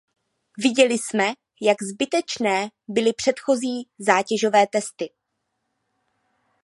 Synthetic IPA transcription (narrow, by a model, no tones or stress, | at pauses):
vɪɟɛlɪsmɛ | jaɡzbɪt̪ɛt͡ʃnɛːbɪlɪpr̥ɛt̪xo̞ziːzaːcɛʒo̞vɛːt̪ɛst̪ɪ